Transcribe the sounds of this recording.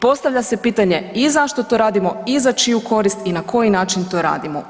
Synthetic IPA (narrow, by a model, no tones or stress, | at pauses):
po̞st̪aʋʎʲase̞piːt̪aɲe̞izaʃt̪o̞t̪o̞ɾaːd̪imo̞izat͡ʃijuko̞ɾist̪inakʰo̞jinaːt͡ʃint̪o̞ːɾa̰ːd̪imo